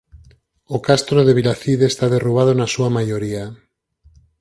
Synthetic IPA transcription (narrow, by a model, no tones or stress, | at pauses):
okast̪ɾoðeβ̞ilaθiðest̪aðeruβ̞aðonasuamajoɾia